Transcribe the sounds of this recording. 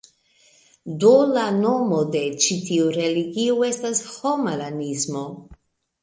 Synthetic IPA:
dolano̞mo̞de̞t͡ʃitiuɾe̞liɡiue̞stashomalanismo̞

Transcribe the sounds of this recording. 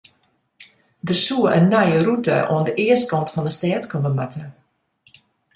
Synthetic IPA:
dərsuəʔənːajərutə̰ʔo̰əndəʔɪəstkɑntfɔndəstɛətkɔməmatə

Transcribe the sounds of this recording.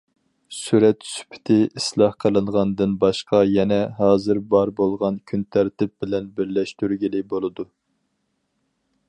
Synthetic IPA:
syɾɛt̪sy̥pʰɪ̥t̪ʰɪʔislˠɑhqʰəlˠɨɴʁɑnd̪ɨnbɑʃqɑjɛnɛɦɑːzɨɾbɑɾbolˠʁɑnkʲʰynt̪ʰæɾt̪ɪp̚bɪlɛnbɪɾlɛʃt̪yɾɡʲilɪbolˠɨd̪u

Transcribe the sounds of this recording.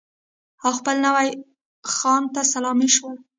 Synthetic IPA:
awxpəlnawaj | xɑnt̪asalɑmiʃwəl

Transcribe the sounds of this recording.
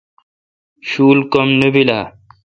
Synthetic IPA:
ɕuːlkomnebilaː

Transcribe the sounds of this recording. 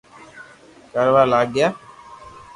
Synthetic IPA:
kəɾʋaːlaːɡːjaː

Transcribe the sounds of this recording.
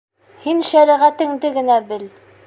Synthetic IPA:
hinʃæɾɘʁæt̪ɘ̆ŋd̪ɘɡɘ̆næbɘl

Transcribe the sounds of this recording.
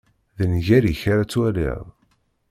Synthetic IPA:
ðənʝæɾiçaɾat͡sːwælḭðˤ

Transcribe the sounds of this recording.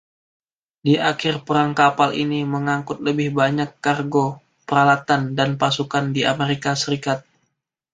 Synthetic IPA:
diʔakɪrpəɾaŋkapalʔiniməŋaŋkʊt̪̚ləbɪhbaɲakːarɡo | pəɾalat̪andanpasukandiʔameɾikasəɾikat̪̚

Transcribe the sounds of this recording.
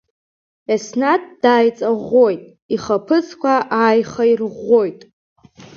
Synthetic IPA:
esnatʼd̥aːjt͡sʼaʁo̞jtʼ | iχapʰɨzkʷaʔaːjχairʁojtʼ

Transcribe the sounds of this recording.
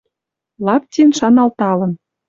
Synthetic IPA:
lɑp̚tʲenʃɑnɑlt̪ɑlɤ̆n

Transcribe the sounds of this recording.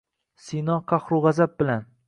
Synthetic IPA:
sinɒqʰɑχɾʊʁazab̚bɪlan

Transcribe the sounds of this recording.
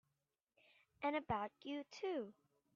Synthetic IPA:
ʔɨ̃nɨbaʊt͡ʃɨtʰʉ

